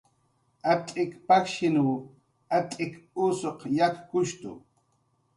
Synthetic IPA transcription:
at̪ʼɪkpakʃɪnu | at̪ʼɪkʊsoqjak̪kʊʃt̪ʊ̰

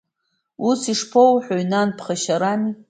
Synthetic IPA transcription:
usiʂpʰowħʷᶣoɥnanpʰχaʃaɾani

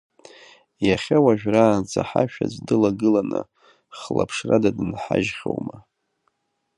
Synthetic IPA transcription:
jaχʲawaʒᶣraːnt͡sʰʼaħaʃᶣad͡ʒʷdɨlaɡɨlanɨ | χla̰pʰʂradadɨnħaʒχʲo̰wma

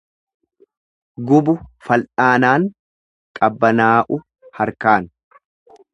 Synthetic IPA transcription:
ɡʊbʊfɐlʔaːnaːŋ | kʼɐbːɐnaːʔʊ | hɐɾkaːn

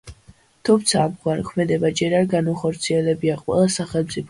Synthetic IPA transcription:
t̪ʰumt̪sʰaːmɡwankʰmɛd̪ɛbad͡ʒɛɾaɾɡanaχɔɾt̪sʰiɛlɛbiaqʼwɛ̰lˠasaχɛlˠmt̪sʼipʰ

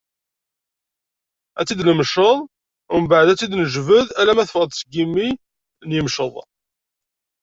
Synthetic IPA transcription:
æt͡sːid̪nəmʃəðˤ | ʊmbəʕd̪æt͡sːid̪nəʒvəðælæmæθəfʁəd̪ˤsəɡimːi | njəmʃəðˤ

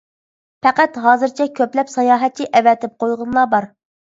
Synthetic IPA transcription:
pʰɛqæt̪ɦɑːzɨɾt͡ʃʰɛkʲʰøplɛpsɑjɑːɦɛt̪̚t͡ʃʰːiʔɛvɛt̪ʰɪp̚qʰojʁʊnlˠɑːbɑɾ

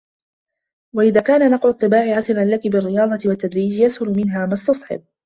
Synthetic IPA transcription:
waʔɪðaːkaːnanɑqʕʊɑt̪ˤːɨbaːʕɪʕasɪɾanlakɪbɪrːɪjɑːd̪ˤɑt̪ɪwat̪ːad̪ɾiːd͡ʒjashʊlʊmɪnɦaːmast̪ɑsˤħɪ̰b̚

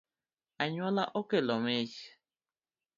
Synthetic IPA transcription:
aɲɔlaʔokelɔmed͡ʒi̥

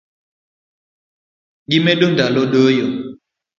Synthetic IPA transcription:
ɡimɛɗondalɔɗəjɔ

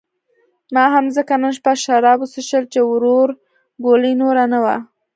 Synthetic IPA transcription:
mɑɦamzəkanənʃpaʃaɾɑbusəʃəlt͡ʃewɾoɾ | ɡoləjnoɾanawa̰

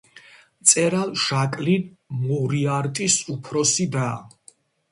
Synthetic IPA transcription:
t̪sʼɛɾalˠʃakʼlin | muɾiaɾt̪ʼisupʰɾɔsid̪aː

